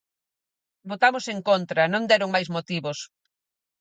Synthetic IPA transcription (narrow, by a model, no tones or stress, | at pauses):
bot̪amoseŋkont̪ɾɐnõnd̪ɛɾoŋmajsmot̪iβos